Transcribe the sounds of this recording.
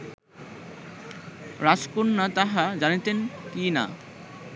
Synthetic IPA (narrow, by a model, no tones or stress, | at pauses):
ɾaskunːat̪aɦad͡ʑanit̪enkina̰